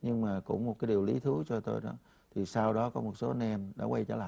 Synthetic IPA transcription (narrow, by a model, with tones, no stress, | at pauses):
ɲɨ˧ŋmaː˨˩kʊ̰˧˥ŋ͡mmo˨˩kaː˨˦jɗi˨˩əwli˨˦t̪ʰɨ˨˦t͡ɕɔ˧t̪o˧jɗɔ˨˦ | t̪ʰi˨˩sa˧wɗɔ˨˦kɔ˨˦mo˨˩t̚so˨˦˧nɛ˧mɗa̰ː˧˩wa˧jt͡ɕəː˧˩laː˧˨